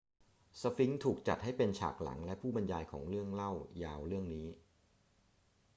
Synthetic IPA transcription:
sa˧fi˦˥ŋt̪ʰuː˨˩k̚t͡ɕa̰˨˩t̪̚ha˥˩jpe˧nt͡ɕʰa̰ː˨˩k̚la̰˩˦ŋlɛ˦˥pʰuː˥˩ba˧njaː˧jkʰɔ̰ː˩˦ŋɾɯ˥˩əŋla˥˩wjaː˧wɾɯ˥˩əŋniː˦˥

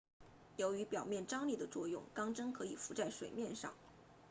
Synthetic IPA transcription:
jo˧˥ʊy˧˥pjɑ˨˩ʊmjɛ˥˩nʈ͡ʂɑ˥ŋli˥˩d̪ə˩t͡swɔ˥˧jʊ̰˥˩ŋkɑ˥ŋʈ͡ʂɤ˥ŋkʰɤ˧˥i˨˩fu˧˥t͡sa˥˩ɪʂwe˨˩ɪmjɛ˥˧nʂɑ̰˥˩ŋ

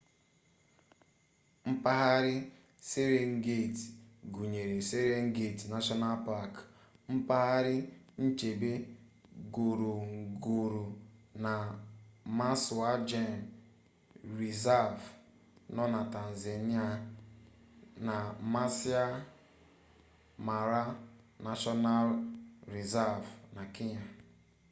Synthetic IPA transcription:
m̩˦pa˦ɦa˦ɾɪ˦ | se˦ɾe˨ŋ̩˦ɡe˦˨tɡu˨ɲe˨ɾe˨se˦ɾe˦ŋ̩˦ɡe˦˨tna˦ʃɔ˦na˦lpa˦˨k | m̩˦pa˦ɦa˦ɾɪ˦n̩˦t͡ʃe˨be˦ | ɡo˨ɾo˨ŋ˨ɡo˨ɾu˨na˨ | ma˦su˨a˦d͡ʒe˦˨n˨ | ɾi˨za˦v | nɔ˦na˨ta˨n̩˨ze˨ni˦a˦ | na˨ma˦sɪ˦a˦ | ma˨ɾa˦ | na˦ʃɔ˦na˦lɾi˨za˦vna˨kɪ˦ɲa˨

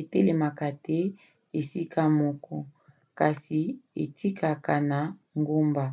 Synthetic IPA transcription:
e˨te˦le˨ma˨ka˨tɛ˦ | e˨si˦kʰa˦mɔ˨kɔ˦ | ka˨si˨ḛ˨tʰi˦ka˨ka˨na˨ | ŋɡo˦mba˨

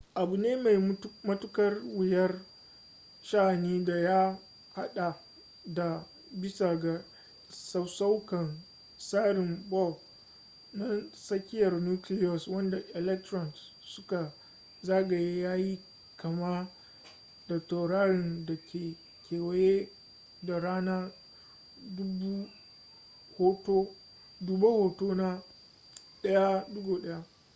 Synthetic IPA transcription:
ʔa˨bu˨neː˦ma˨jmɐ˦tʊ˦kɐ˦rwɪ˨jɐ˦r | ʃaː˦˨neː˦da˨ja˦ | ha˦ɗa˨ | da˨ | bɪ˦sa˨ɡa˨ | sa˦sa˦wkɐ˨n | saː˦ɾɪ˨mbɔ˦˨ | na˦sɐ˦kʲɪ˦jɐ˨rnuː˦klɪ˦jɔ˨swɐ˦nda˨ʔɛ˨lɛ˦k̚tɾɔ˨ns | sʊ˦ka˨ | zaː˦ɡa˨je˦jaː˦ji˦ | kɐ˨ma˦ | d̥ɔ˨k̚tɔ˨ɾaː˦ɽɪ˨ndɐ˨kʲʰeː˨ | kʲeː˨wɐ˨je˦ | da˨ɾaː˦naː˦ | dʊ˦bu˦ | ho˦to˦ | du˨ba˦hoː˨toː˦na˦ | ɗɐ˦ja˦dʊ˦ɡo˨ɗɐ˦ja˦

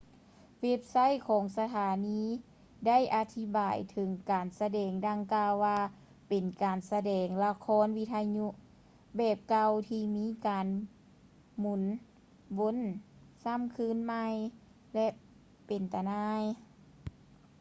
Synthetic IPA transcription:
we˧˥p̚sa˥˨jkʰɔː˨˦ŋsa˧t̪ʰaː˨˦niː˧˥ | da˥˨jʔa˧t̪ʰi˧baː˨˩jt̪ʰɤ˨˦ŋkaː˨˩nsa˧dɛː˨˩ŋda˧ŋkaː˧wːaː˧ | pe˨˩nkaː˨˩nsa˧dɛː˨˩ŋla˧kʰɔː˧˥˨nwi˧˥t̪ʰa˧ɲu˧˥ʔ | bɛː˧˩p̚ka˧wt̪ʰiː˧miː˧˥˨kaː˨n | mu˨˧˩n | bo˧˥˨nsa˧˥˨mkʰɯː˧˥˨nma˧j | lɛ˧ʔ | pe˨˩nt̪a˧˨naː˧˥j

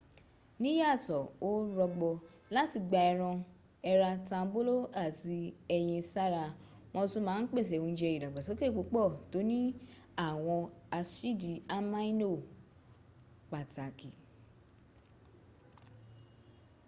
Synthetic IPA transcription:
nĩ˨˦ja˦˨tɔ˨o˦ɾɔ˧ɡ͡bɔ˧ | la˦ti˧ɡ͡ba˧ɛ˧ɾ̃ɔ̃˧ | ɛ˧ɾa˧tã˧˦bo˦lo˦a˦˨ti˧ɛ˧j̃ĩ˧sa˦ɾa˧ | mɔ̃˧tũ˧mãː˨˦n̩˦k͡pe˦˨s̬ɛ˨ũ˧˦d͡ʒɛ˧i˨da˨ɡ͡ba˨so˨˦ke˦˨k͡po˨˦k͡pɔ˦˨to˨˦nĩ˦ | a˦˨w̃ɔ̃˧a˧ʃi˦˨di˨a˦mã˦i˦no˦˨ | k͡pa˨ta˨ki˨

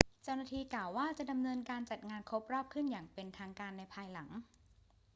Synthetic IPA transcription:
t͡ɕa˥˩wnaː˥˩t̪ʰiː˧klaː˨˩wːaː˥˩t͡ɕa˨˩ʔda˧mnɤː˧nkaː˧nt͡ɕa˨˩t̪̚ŋaː˧nkʰɾo˦˥p̚ɾɔː˥˩p̚kʰɯ˥˩njaː˨˩ŋpe˧nt̪ʰaː˧ŋkaː˧nːa˧jpʰaː˧jla˩˦ŋ

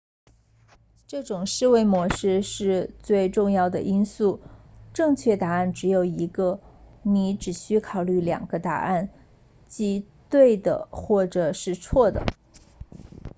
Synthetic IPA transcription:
ʈ͡ʂɤ˥˩ʈ͡ʂʊ˨˩ŋʂɻ̩˥˧we˥˩ɪmwɔ˧˥ʂɻ̩˥˧ʂɻ̩˥˧t͡swe˥˧ɪʈ͡ʂʊ˥˧ŋjɑ˥˩ʊd̪ə˩ʔi˥nsu˥˩ʈ͡ʂɤ˥˧ŋt͡ɕʰɥɛ˥˩t̪a˧˥a˥˩nʈ͡ʂɻ̩˧˥jo˨˩ʊi˧˥ɡə˧ni˧˥ʈ͡ʂɻ̩˨˩ɕy˥kʰɑ˨˩ʊly˥˩ljɑ̰˨˩ŋɡ̥ə˦t̪a̰˨˩a˥˩n | t͡ɕi˧˥ | t̪we˥˩ɪd̪ə̰˩xwɔ˥˩ʈ͡ʂɤ˨˩ʂɻ̩˥˧t͡sʰwɔ˥˩d̪ə̰˩

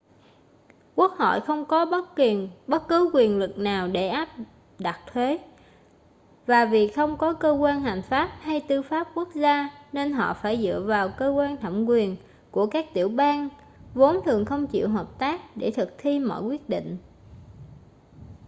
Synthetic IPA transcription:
ku˦˥ək̚ho̰˧˨jxə˧wŋ͡mkɔ˨˦ | ɓə˦˥t̚kɨ˨˦kwi˨˩ənlɨ˨˩k̚naː˨˩wɗe˧˩ʔaː˦˥p̚ | ɗa˨˩t̚t̪ʰwe˨˦ | vaː˨˩vi˨˩xə˧wŋ͡mkɔ˨˦kəː˧kwaː˧nha˨˩jŋ̟faː˦˥p̚ha˧jt̪ɨ˧faː˦˥p̚ku˦˥ək̚zaː˧ne˧nɦɔ̰˧˨faː˧˩jzɨ̰˧˨əvaː˨˩wkəː˧kwaː˧nt̪ʰa˧˩wŋ͡mkwi˨˩ən | ku˧˩əkaː˦˥k̚t̪ḭ˧˩əwɓaː˧n | vo˨˦nt̪ʰɨ˨˩əŋxə˧wŋ͡mt͡ɕḭ˧˨əwɦəː˨˩p̚t̪aː˦˥k̚ɗe˧˩t̪ʰɨ˨˩k̚t̪ʰi˧mɔ̰˧˨jkwi˦˥ət̚ɗḭ˧˨ŋ̟

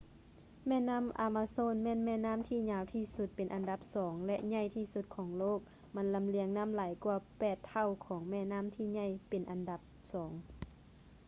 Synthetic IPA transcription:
mɛː˧˥˨naː˧˥˨mʔaː˨˧˩maː˧soː˧˥˨nmɛː˧˥˨nmɛː˧˨naː˥˨mt̪ʰiː˧˩ɲaː˧˩wt̪ʰiː˧˩su˧˦t̪̚pe˨nʔa˨nda˧˦p̚sɔː˩˦ŋlɛ˧ʔɲa˧˥˨jt̪ʰiː˧˩su˧t̪̚kʰɔː˩˦ŋloː˥˨˩k̚ | ma˧˥nla˧˨mli˧əŋna˧˥˨mlaː˨˦jku˧ɐpɛː˧˩t̪ʰːa˧˩˨wkʰɔː˩˦ŋmɛː˧˩naː˧˥˨mt̪ʰiː˧˥˨ɲa˧˥˨jpe˨nʔa˨nda˧˦p̚sɔː˩˦ŋ

